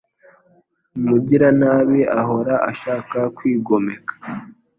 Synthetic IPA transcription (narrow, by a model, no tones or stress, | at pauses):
muɟiɾanaːβiʔaɦo̞ɾaʔa̰ʃaːkakwiːɡo̞me̞kḁ